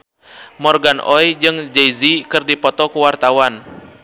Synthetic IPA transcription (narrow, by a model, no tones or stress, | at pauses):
mɔrɡanʔɔjd͡ʒɨŋd͡ʒejzikɨrdipɔt̪ɔkuwart̪awan